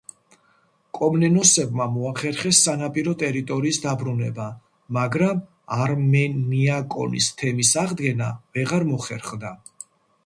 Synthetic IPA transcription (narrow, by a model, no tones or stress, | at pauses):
kʼɔmnɛnɔsɛbmamɔaχɛɾχɛsːanapʼiɾɔt̪ʼɛɾit̪ʼɔɾiːsd̪abɾunɛba | maɡɾam | aɾmɛniakʼɔ̰nḭst̪ʰɛmisaʁd̪ɡɛnavɛʁaɾmɔχɛɾχd̪a